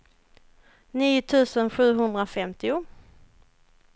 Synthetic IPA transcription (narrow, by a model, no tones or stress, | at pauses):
niːʊt̪ʰʉ̟ːsənɧʉ̟ːɦɵnd̪ɾafɛmt̪ʰɪʊ